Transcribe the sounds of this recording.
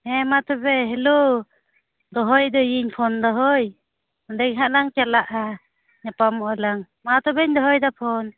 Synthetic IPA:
ɛmat̪ɔbɛɦɛlu | d̪ɔɦɔjd̪əjiɲpʰɔnd̪ɔɦɔj | mɔdɛŋɦaʔnaŋt͡ʃalaʔa | ɲapamɔʔalaŋ | mat̪ɔbɛɲd̪ɔɦɔjd̪apʰɔn

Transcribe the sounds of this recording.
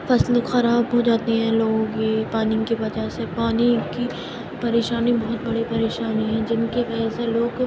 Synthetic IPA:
fɐslokxɐɾaːbɦod͡ʒaːt̪eɦɛ̃ːlõːɡepaːnɪkibɐd͡ʒasepaːniki | pɐɾeːʃaːnibɐɦʊt̪̚bɐɽipɐɾeːʃaːniɦɛ̃ːd͡ʒɪnkepɛːseloːɡ

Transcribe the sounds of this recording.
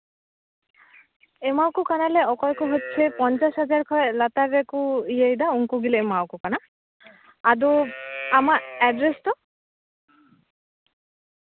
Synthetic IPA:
emawkukanaleɔkɔjkuɦotːt͡ʃʰepɔnt͡ʃasɦazaɹkʰɔjlat̪aɾekuijajd̪auŋkuɡileemawkukana | aduamaɛɖɾestɔ

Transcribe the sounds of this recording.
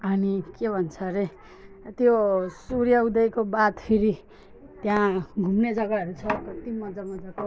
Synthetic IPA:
ʌnikebʱʌnt͡sʰʌɾe | t̪josuɾjawd̪ʌjkobat̪pʰiɾi | t̪jãɡʱumned͡zʌɡaʌɾut͡sʰʌprʌt̪imːʌd͡zamad͡zaɡo

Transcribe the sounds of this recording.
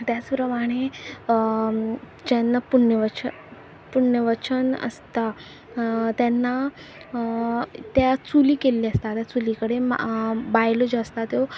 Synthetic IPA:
t̪jat͡spɾəmaɽ̃e | d͡ʑanːapuɳjəʋət͡ɕə | puɳjəʋət͡ɕənə̰st̪a | t̪janːa | t̪jat͡suliːkeliːəst̪at̪jat͡sulikəɽema̰bajlod͡ʑaəst̪at̪jo

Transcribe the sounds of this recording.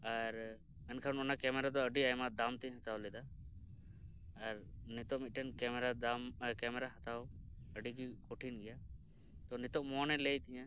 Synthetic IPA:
əɾ | mɛnkʰanʊnakɛːmɛɾad̪oəɖiaːjmãd̪aːmt̪ĩɦɐt̪aːwled̪aː | ɐɾnɪt̪oʔmɪʈɛnkɛmɾaamkɛːmɛɾaɦət̪aːoəɖiɡikoʈʰinɡɪjaː | t̪onɪt̪oʔmoːnɛleːit̪ɪã

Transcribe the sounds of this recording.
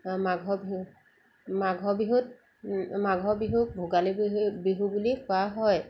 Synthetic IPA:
maɡʱɔb | maɡʱɔbiɦut̚ | maɡʱɔbiɦubʱuɡalibbiɦubulikʰoaɦɔj

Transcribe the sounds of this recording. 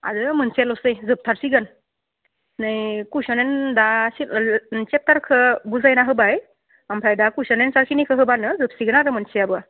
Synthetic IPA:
a̰dɯmɯnselɔsɯjzɯp̚tʰaɾsiɡɯn | nɯjkusɔnendasit͡ʃep̚taɾkʰɯbuzajnaɦɯbaj | ampʰɾajdakusɔnensaɾkʰinikʰɯɦɯbanɯzɯp̚siɡɯnaɾɯmɯnseabɯa

